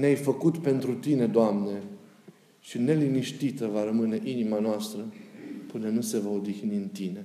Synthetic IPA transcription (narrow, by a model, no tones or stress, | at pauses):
neajfəkut̪pe̞nt̪ɾut̪ine̞d̪oamne̞ | ʃine̞liniʃt̪it̪əvaɾəmɨne̞ʔinimanoast̪ɾəpɨnenuse̞vaod̪ixiniɨnt̪ine̞